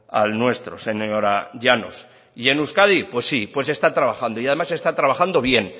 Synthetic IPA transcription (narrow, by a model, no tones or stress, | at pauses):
a̰lnwe̞st̪ɾose̞ɲoɾaʎano̞̰s | ienuskaðipwe̞sːipwe̞se̞st̪at̪ɾaβaxand̪oiaðemase̞st̪at̪ɾaβaxand̪o̞βje̞n